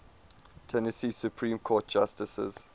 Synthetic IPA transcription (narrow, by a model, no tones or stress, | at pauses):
tʰɛnəsiːsjupʰɹĩːmkʰɔːt̚d͡ʒ̥astɪsə̰z̥